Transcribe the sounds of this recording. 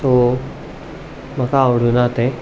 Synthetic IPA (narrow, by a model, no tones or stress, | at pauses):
t̪o | m̤akaːʋɽ̤unat̪ẽ